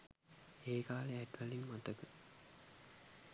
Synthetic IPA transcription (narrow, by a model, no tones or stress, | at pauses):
eːkaːleæʈʋæliŋmat̪əkə